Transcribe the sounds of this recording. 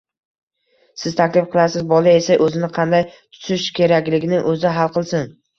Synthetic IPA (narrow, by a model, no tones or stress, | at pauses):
sɪzt̪ʰakʲlɪfqʰɨlˠasɪzbɒlˠɪe̞saʔɵzɪnɪqʰɑnd̪ajt̪ʰʊ̥ʃɪʃkʲe̞ɾakʲlɪɡʲɪnɪʔɵzɪɦalˠqɨlˠsɪn